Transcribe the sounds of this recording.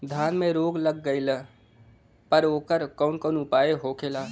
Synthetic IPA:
d̪ʱaːnmẽɾoːɡləɡːəɪl | pəɾoːkəɾkəʊnkəːnʊpaːeɦoːkʰeːlaː

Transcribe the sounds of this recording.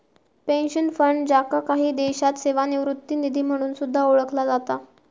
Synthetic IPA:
penɕənfəɳɖd͡ʑakakaɦiːd̪eɕat̪seʋaniʋɾut̪ːiːnid̪ʱiːm̤əɽ̃uːnsud̪ʱːaoɭəkʰlad͡zat̪a

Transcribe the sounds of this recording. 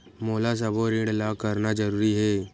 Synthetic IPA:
moːlas̬əboɾĩɽlakəɾnad͡ʒəɾuːɾiɦɛː

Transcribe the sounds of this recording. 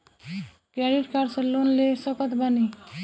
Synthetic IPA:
kɾɛɖiʈkaɾsəlonlesəkət̪bəni

